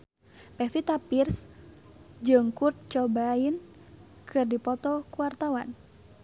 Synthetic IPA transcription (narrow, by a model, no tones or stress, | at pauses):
pɛfit̪apirs | d͡ʒɨŋkurt̪̚t͡ʃɔbain | kʰɨrdipɔt̪ɔkuwart̪awan